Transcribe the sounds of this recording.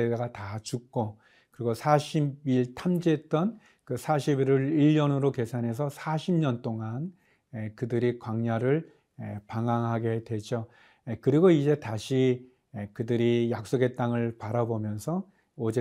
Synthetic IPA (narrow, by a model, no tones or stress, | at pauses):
eɡatat͡ɕuk̚k͈o | kɯɾiɡosʰaɕʰibiɭtʰamd͡ʑet͈ʌn | kɯsʰaɕʰibiɾɯɾiʎːʌnɯɾoke̞sʰanɦe̞sʰʌsʰaɕʰimɲʌnt͈oŋan | ekɯdɯɾikwaŋɲaɾɯɭ | epaŋaŋɦaɡe̞dwe̞d͡ʑo | ekɯɾiɡoid͡ʑe̞taɕʰi | ekɯdɯɾijak̚s͈oɡe̞t͈aŋɯɭpaɾabomjʌnsʰʌ | od͡ʑe